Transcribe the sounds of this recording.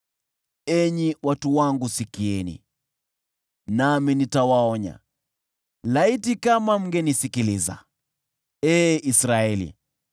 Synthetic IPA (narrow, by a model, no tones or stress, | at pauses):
ɛɲiwatuwaŋɡusikiɛnḭ | naminitawaɔɲa̰ | laitikamam̩ɡɛnisikiliza̰ | ɛːisɾaɛlḭ